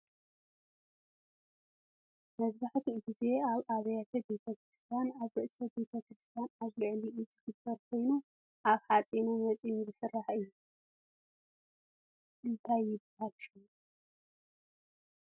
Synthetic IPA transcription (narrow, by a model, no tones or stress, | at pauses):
mɐβzaħt̪ʰiɡize̞aβaβɐjat̪ʰɐbe̞t̪ʰɐkɾɨst̪ʰijanaβɾɨʔsɐbe̞t̪ʰɐkɾɨst̪ʰijanaβlɨʕliʔuzɨɡɨbɐɾkʷʰo̞jnu | ʔaβħat͡sʼinunmɐt͡sʼinzɨsɨrːaħɨjːu | ʔɨnt̪ʰajːɪbahaɾʃu